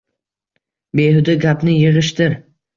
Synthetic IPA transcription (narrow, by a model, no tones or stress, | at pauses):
behʊd̪aɡʲapnɪjɪʁɨʃt̪ɪɾ